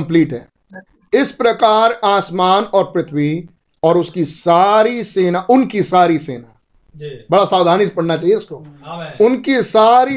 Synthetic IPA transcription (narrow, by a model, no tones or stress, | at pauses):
mpliːʈɦɛ̰ː | ɪspɾɐkaːɾaːsmaːnɔːɾpɾɪt̪ʰwi | ɔːɾʊskisaːɾiseːnaʔʊnkisaːɾisḛːna | bɐɽasaːwd̪ʱaːnispɐɽnat͡ʃaːɦieʊskoʊnkisaːɾi